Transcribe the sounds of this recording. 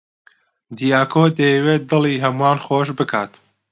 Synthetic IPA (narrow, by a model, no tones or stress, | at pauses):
d̪ijaːkʰoːd̪ɐjɛweːt̪̚d̪ɨlˠiːɦɐmuaːnxoːʃbɨkʰaːt̪